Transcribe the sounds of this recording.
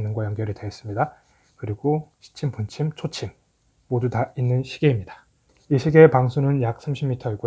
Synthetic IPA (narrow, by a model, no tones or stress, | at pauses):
nːɯnɡwajʌŋɡjʌɾiɭdeːs͈ɯmɲida | kɯɾiɡoɕʰi̥t͡ɕʰimpunt͡ɕʰimt͡ɕʰot͡ɕʰimː | odutainːɯnɕʰiɡe̞imɲidḁ | iɕʰiɡe̞paŋsʰunɯnjak̚s͈ʰamɕʰimːitʰʌiɡo